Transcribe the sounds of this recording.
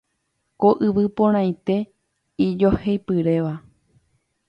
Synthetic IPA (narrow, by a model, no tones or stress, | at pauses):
koʔɨʋɨpõɾ̃ãj̃t̪e̞ | id͡ʒo̞hejpɨɾe̞ʋa